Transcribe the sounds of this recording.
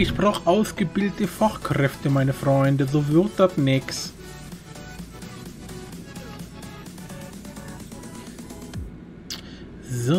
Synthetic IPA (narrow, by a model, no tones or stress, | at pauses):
ɪçpʁ̥aːχʔaʊsɡ̥əbɪldətəfaχkʁɛftəmaɪnəfʁɔʏndəzoːvɪʁt̚d̥atnɛks | zo